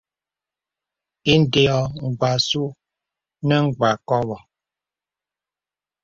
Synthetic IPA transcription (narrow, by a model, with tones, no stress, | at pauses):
i˦n̩˦˨de˨ɔ˨ŋ̩˨ɡ͡ba˨su˦ | nə˦ŋ̩˦˨ɡ͡ba˨kɔ˦bɔ˨